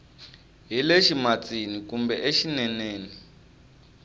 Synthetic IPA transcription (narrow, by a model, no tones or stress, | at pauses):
ɦileʃimat͡sinikumbɛʔeʃinɛneːni